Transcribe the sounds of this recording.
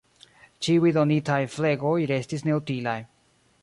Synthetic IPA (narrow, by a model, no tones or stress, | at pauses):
t͡ʃiujdonitajfle̞ɡo̞jɾe̞stisne̞utilaj